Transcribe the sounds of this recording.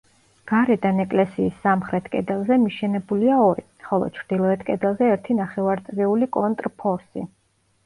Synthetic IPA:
ɡ̥aɾɛd̪anɛkʼlɛsiːsːamχɾɛt̪ʰkʼɛ̰d̪ɛlˠzɛmiʃɛnɛbuliaɔɾi | χɔlˠɔ̰t͡ʃʰɾd̪̥ilˠɔɛt̪ʰkʼɛd̪ɛlˠzɛɛɾt̪ʰinaχɛvaɾt̪sʼɾiulikʼɔnt̪ʼɾpʰɔɾsḭ

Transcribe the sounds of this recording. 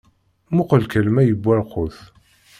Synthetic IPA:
mʊqəlkəlmæjəbʷːæɾqʊθ

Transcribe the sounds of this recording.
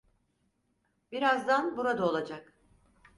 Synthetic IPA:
b̥iɾazd̪anbuɾad̪ao̞lˠad͡ʒak

